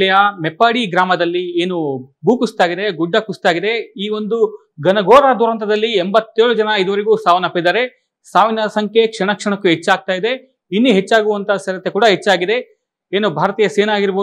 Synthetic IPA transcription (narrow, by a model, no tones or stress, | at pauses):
ɐjɐmepːaːɽiɡɾaːmɐd̪ɐlːieːnubuːkust̪aːɡid̪e̞ɡuɖːɐkust̪aːɡid̪e̞iːʋo̞nd̪u | ɡɐnɐɡoːɾad̪uɾɐnt̪ɐd̪ɐlːiembɐt̪ːeːɭud͡ʒɐnɐid̪ɐʋɐɾiɡuːsaːʋɐnɐpːid̪aːɾe̞ | saːʋinɐsɐŋkʰekʂɐɳɐkʂɐɳɐkːuɦet͡ʃːaːɡ̚t̪aːjid̪e̞ | inːuɦet͡ʃːaːɡuʋɐnt̪ɐsɐɾɐt̪ːekuːɽɐɦet͡ʃːaːɡid̪e̞ | eːnubʱaːɾɐt̪ijɐseːnaːɡiɾboː